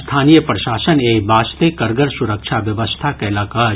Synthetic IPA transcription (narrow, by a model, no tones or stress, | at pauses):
st̪ʰaːnijəpɾəʃaːsəneːbʱaːst̪ekɐɾɡəɾsuɾəkʃʰaʋjɐʋəst̪ʰakɐelaːkaːɾ